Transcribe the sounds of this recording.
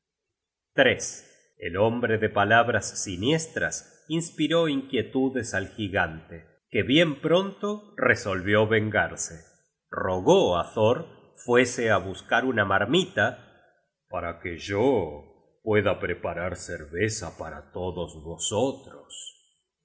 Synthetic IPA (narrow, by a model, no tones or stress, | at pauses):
t̪ɾes | ḛlombɾeðepalaβɾasːinjest̪ɾa̰s | inspiɾo̞iŋkje̞t̪uðesalxiɣant̪e | keβje̞mpɾo̞nt̪oreso̞lβjo̞βeŋɡaɾse | roɣoaθoɾ | fweseaβuskaɾunamaɾmit̪a | paɾakeʒo | pwe̞ðapɾepaɾaɾseɾβesapaɾa̰t̪oðosβosot̪ɾos